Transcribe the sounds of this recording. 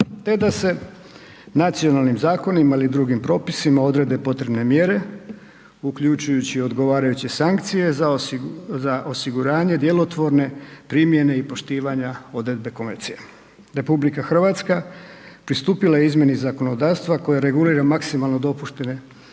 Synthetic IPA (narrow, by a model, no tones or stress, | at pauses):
t̪e̞d̪ase̞ | nat̪sio̞nalˠnimzaːko̞nimailid̪ɾuɡimpɾo̞ːpisimao̞d̪ɾe̞d̪e̞po̞t̪ɾe̞bne̞mje̞ɾe̞ | ukʎut͡ʃujut͡ɕio̞d̪ɡo̞ʋaːɾajut͡ɕe̞saŋkt̪sije̞azaʔo̞siɡuɾaːɲe̞d̪je̞lˠo̞t̪ʋo̞ɾne̞pɾimje̞ne̞ipo̞ʃt̪iːʋaɲao̞d̪ɾe̞d̪̚be̞ko̞meɾt̪sije | ɾe̞publikaxr̩ʋat̪skapɾist̪uːpilajeizmje̞nizako̞no̞d̪aːst̪ʋako̞jaɾe̞ɡuliːɾamaksimalˠnod̪o̞puʃt̪e̞ne̞